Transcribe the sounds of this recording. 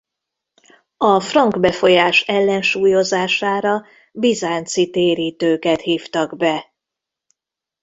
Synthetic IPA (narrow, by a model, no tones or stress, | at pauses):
ɒfrɒŋɡbɛfo̞jaːʃɛlːɛnʃuːjo̞zaːʃaːɾɒ | bizaːnt̪sit̪eːɾiːt̪øːkɛt̪hiːft̪ɒɡbɛ